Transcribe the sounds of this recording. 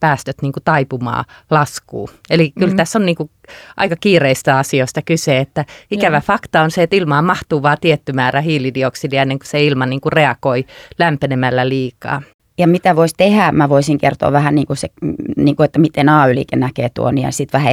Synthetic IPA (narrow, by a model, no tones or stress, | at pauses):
pæːst̪øt̪niːŋkut̪ɑipumɑ̰ːlɑskṵːelikylt̪æsːonniːŋku | ʔɑ̰ikɑkiːreist̪æɑsioist̪ɑkyseːet̪ːæikæʋæfɑkt̪ɑonseet̪ilmɑːmɑht̪uːʋɑːt̪iet̪ːymæːræhiːlidioksidiɑenːeŋku̥seilmɑniːŋkureɑkoilæmpenemælːæliːkɑ̰ː | jɑmit̪æʋoist̪ehæːmæʋoisiŋkert̪o̰ːʋʋæhænniːŋkuseniːŋkuet̪ːæmit̪enɑːylḭkḛnnækeːt̪ṵoniɑ̰sit̪ʋæhæ